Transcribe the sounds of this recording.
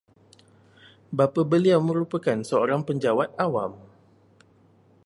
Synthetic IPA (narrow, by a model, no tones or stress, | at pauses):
bapabəliawmə̃ɾupakansəoɾaŋpəɲd͡ʒawat̪̚awam